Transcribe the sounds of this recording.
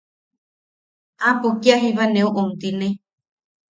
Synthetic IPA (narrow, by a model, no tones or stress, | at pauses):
ãpokiaɦiβanẽoʔomt̪inẽ